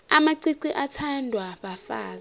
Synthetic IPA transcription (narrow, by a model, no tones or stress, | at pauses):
amaǀiǀiʔatʰandʱwaɓafaːza